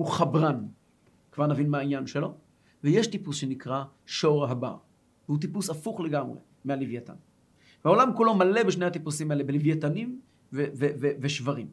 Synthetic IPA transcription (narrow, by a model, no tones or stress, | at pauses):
huχabʁan | kvaʁnavinmahainjanʃelo̞ | vejeʃt̪ipusʃe̞nikʁa | ʃo̞ʁaɦaba̰ʁ | veut̪̬ipusafuχleɡamʁḛ | mealivjet̪a̰n | veao̞lamkulo̞male̞beʃnehat̪ipusimaelebelivjet̪anim | veveveveʃvaʁim